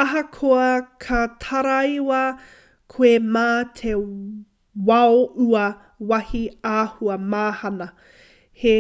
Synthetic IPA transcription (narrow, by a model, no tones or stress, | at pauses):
ɐɦɐkʰoɐkʰɐtʰɐɾaiwɐ | kʰoemaːtʰe | wɐouɐ | wɐhiaːhuɐmaːhɐnɐ | he